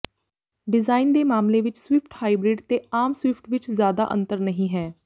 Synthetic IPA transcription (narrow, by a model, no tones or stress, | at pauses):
ɖɪzaːind̪eːmaːmleːʋɪt͡ʃswɪpʰʈhaːibɾɪːɖt̪eːaːmswɪpʰʈʋɪt͡ʃzjaːd̪a̰ːʔə̰̃nt̪əɾnəɦĩːɦɛː